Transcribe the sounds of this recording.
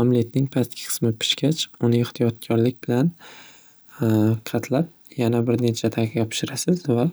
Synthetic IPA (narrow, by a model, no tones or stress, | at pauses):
ɒmlijat̪̚nɪŋpʰasʰʲɪ̥qʰɨ̥smɪpʰɪ̥ʃkʲʰat͡ʃʊnɪɪht̪ʰijɒt̪̚kʲʰɒɾlɪk̚ʲbɪlan | qʰɑt̪ʰlap̚ | janabɪɾne̞t͡ʃʰat̪ʰaqʲɒpʰʃɪɾasɪzva